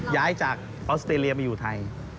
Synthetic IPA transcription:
jaː˦˥jt͡ɕaː˨˩k̚ | ʔɔː˦˥st̪ɾeː˧li˧ɐma˧jːuː˨˩t̪ʰa˧j

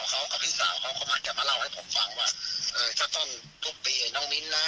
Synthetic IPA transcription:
kʰa˦˧˥wka˨˩p̚hʰiː˧˥˩saː˨˦wkʰa˦˥wkʰɔ˧˦˩maː˧˥˩kaː˨˧˩maː˧la˧˩wha˥˩jpʰo˨˦mfa˧ŋwaː˧˩ʔɤː˨˧˩t̪ʰaː˧˩t̪ɔː˧˩n | t̪ʰu˧˩k̚p̪iː˧a˧˩nɔː˧˥˩ŋli˦˧˥nlaː˧˥˩

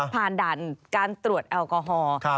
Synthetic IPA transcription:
pʰaː˨˩ndaː˨˩nkaː˧nt̪ɾu˨˩ət̪̚ʔɛː˧wkɔː˧ɦɔː˧

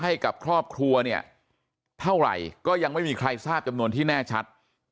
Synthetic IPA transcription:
ɦa˥˩jka˨˩p̚kʰɾɔː˥˩p̚kʰɾu˧ɐni˥˩ɐ | t̪ʰa˥˩wɾa̰˨˩jkɔː˥˩ja˧ŋma˥˩jmiː˧kʰɾa˧jsaː˥˩p̚t͡ɕa˧mnu˧ənt̪ʰiː˥˩nɛː˥˩t͡ɕʰa˦˥t̪̚

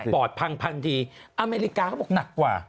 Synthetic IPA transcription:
pɔː˨˩t̪̚pʰa˧ŋpʰaː˧nt̪ʰiː˧ʔa˧meː˧ɾi˦˥kaː˧kʰːbɔ˨˩na˨˩kːwa̰ː˨˩

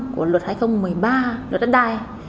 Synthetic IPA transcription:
ku˧˩əlwə˨˩t̚haː˧jxə˧wŋ͡mmɨ˨˩əjɓaː˧lwə˨˩t̚ɗa˦˥t̚ɗaː˧˩j

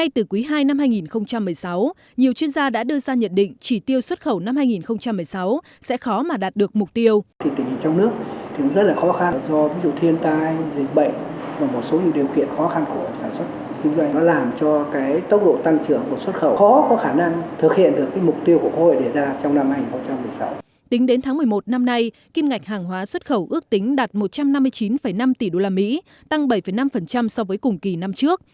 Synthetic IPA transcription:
ŋa˧jt̪ɨ˨˩kwi˨˦ɦaː˧jna˧mhaː˧jŋi˨˩nxə˧wŋ͡mt͡ɕa˧mːɨ˨˩əjsw | ɲi˨˩əwt͡ɕwi˧ənzaː˧ɗa̰ː˧˥ɗɨ˧əzaː˧ɲə̰˧˨nɗḭ̈˧˨ŋ̟t͡ɕi˧˩t̪i˧əwswə˦˥t̚xə˧˩wna˧mhaː˧jŋi˨˩nxə˧wŋ͡mt͡ɕa˧mːɨ˨˩əjsa˨˦w | sɛ̰˧˥xɔ˨˦maː˨˩ɗaː˨˩t̚ɗɨ˨˩ək̚mʊ˨˩k͡p̚t̪i˧əw̪i˧˩t̪ï˨˩ŋ̟i˨˩t͡ɕɔ˧wŋ͡mnɨ˦˥ək̚t̪ʰi˨˩nɔ˨˦zə˦˥t̚laː˨˩xɔ˨˦xa˧nzɔ˧vi˨˦zṵ˧˨t̪ʰi˧ənt̪aː˧jzï˨˩ŋ̟̚ɓə̰˧˨jŋ̟ | vaː˨˩mo˨˩t̚so˨˦ɲḭ˧˨ɗi˨˩əwkḭ˧˨ənxɔ˨˦xa˧nku˧˩əsaː˧˩nswə˦˥t̚t̪i˧˦ŋzwa˧jnɔ˨˦laː˨˩mt͡ɕɔ˧kaː˨˦jt̪ə˦˥wk͡p̚ɗo̰˧˨t̪a˧ŋt͡ɕɨ˧˩əŋku˨˩swə˦˥t̚xə˧˩wxɔ˨˦kɔ˨˦xaː˧˩na˧ŋt̪ʰɨ˨˩k̚hḭ˧˨ənɗɨ˨˩əkːaː˨˦jmʊ˨˩k͡p̚t̪i˧əwku˧˩əko˧ho̰˧˨jɗe˧˩zaː˧t͡ɕɔ˧wŋ͡mna˧mha˧ɲi˨˩ŋxə˧˥t̚t͡ɕa˧mːɨ˨˩əjsa˨˦w | t̪ï˨˦ŋ̟ɗe˨˦nt̪ʰaː˨˦ŋmɨ˨˩əjmo˨˩t̚na˧mna˧j | ki˧mŋa˨˩k̚ɦaː˨˩ŋɦwaː˨˦swə˦˥t̚xə˧˩wʔɨ˦˥ək̚t̪ï˨˦ŋ̟ɗaː˨˩t̚mo˨˩t̚t͡ɕa˧mna˧mːɨ˧əjt͡ɕi˨˦nfə˧˩jna˧mt̪i˨˩ɗo˧laː˧mḭ˧˥ | t̪a˧ŋɓə˧˩jfə˧˩jna˧mfə˨˩nt͡ɕa˧msɔ˧wvəː˨˦jkʊ˨˩ŋ͡mki˨˩na˧mt͡ɕɨ˦˥ək̚

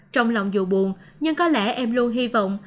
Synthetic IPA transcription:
t͡ɕɔ˧wŋ͡mlɔ̰˧˨wŋ͡mzṵ˧˨˩ɓu˨˩nɲɨ˧ŋkɔ˨˦lɛ˧˩ʔɛ˧mlu˧ənɦi˧vɔ̰˧˨wŋ͡m

